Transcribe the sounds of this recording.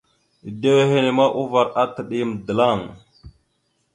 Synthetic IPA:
de˦we˦ɦe˦ne˨ma˦ʔu˦va˨ɾa˦tə˨ɗi˦˨m˨də˨la˦˨ŋ

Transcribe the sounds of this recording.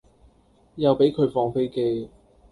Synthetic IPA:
jɐ˨wpe˨˥jkʰɵ˨˧ɥfɔː˧ŋfe˥jke˧˥j

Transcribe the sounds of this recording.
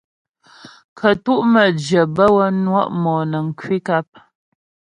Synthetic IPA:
kʰə˨tu˦ʔmə˨d͡ʒə˨bə˦wə˦nwa̰˦ʔmɔː˨nə˨ŋ̩˨kwi˦ka˦p̚

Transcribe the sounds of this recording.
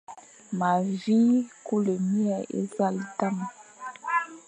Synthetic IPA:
ma˨vi˦ku˦le˨mi˦ɛ˨ḛ˦za˦˨lta˦˨ma˨

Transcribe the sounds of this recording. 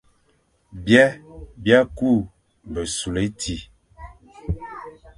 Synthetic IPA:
bjɛ˦bja˦ku˦˨ | bə˨su˨le˨˦tʰi˨˦

